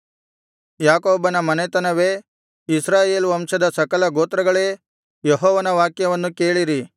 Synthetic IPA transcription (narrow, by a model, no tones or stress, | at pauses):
jaːkoːbɐnɐmɐnet̪ɐnɐʋeː | isɾaːje̞ːlʋɐmʂɐd̪ɐsɐkɐlɐɡoːt̪ɾɐɡɐɭe̞ː | jeɦɔːʋɐnɐʋaːkjɐʋɐnːukeːɭiɾi